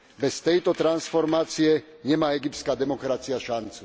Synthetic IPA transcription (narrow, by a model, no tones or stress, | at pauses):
bɛst̪ɛjt̪ɔt̪ɾansfɔɾmaːt͡siɛ | ɲɛmaːɛɡipt̪skaːd̪ɛmɔkɾat͡siaʃant͡su̥